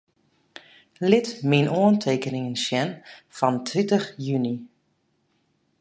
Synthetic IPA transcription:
lɪtminʔoəntʰeːkənɪŋənsjɛnfɔntʰʋintəxjyni

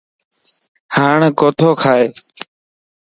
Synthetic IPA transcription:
haːɳkoːt̪ʰoːkʰaːeː

